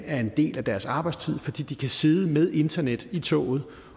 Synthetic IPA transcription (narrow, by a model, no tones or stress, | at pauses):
æɐe̝nd̥e̝̰ːlæd̥æɐsɑ̈ːb̥ɑ̈ɪdst͡sʰið̞̰ˠfɒ̽d̥ḭːd̥ikʰæse̝ːð̞ˠəmeð̞ˠe̝nd̥ɐned̥it͡sʰɔ̰̽ːð̞̩ˠ